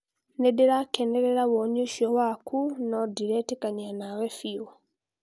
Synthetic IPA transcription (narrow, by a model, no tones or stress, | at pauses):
nedeɾakeneɾeɾaβoɲuʃjɔwakʰunɔdiɾetekaɲanawefiu